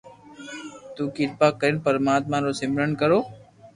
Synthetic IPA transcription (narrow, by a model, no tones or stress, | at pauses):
t̪uːkɪt̪̚paːkːəɾɪnpəɾmaːt̪mãːɾoːsɪmɾənkəɾoː